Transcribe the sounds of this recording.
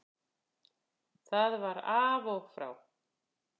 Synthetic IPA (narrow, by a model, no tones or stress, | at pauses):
θaðvaɾaːvɔɣfɾa̰w